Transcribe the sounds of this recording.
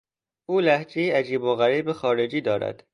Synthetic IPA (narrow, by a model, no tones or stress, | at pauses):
ʔuːlæhd͡ʒeiæd͡ʒiːboɣæɾiːbexɒːɾed͡ʒiːd̪ɒːɾæ̰d̪̥